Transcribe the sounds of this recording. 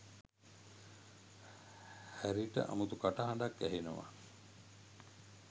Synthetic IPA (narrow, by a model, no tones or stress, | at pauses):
hæɾiʈə̰ʔa̰mut̪ukaʈaɦaɳɖakːæɦinuʋa̰